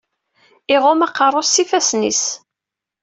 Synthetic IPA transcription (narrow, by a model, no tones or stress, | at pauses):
ɪʁomɑqːɑrˤːosifæsnḭs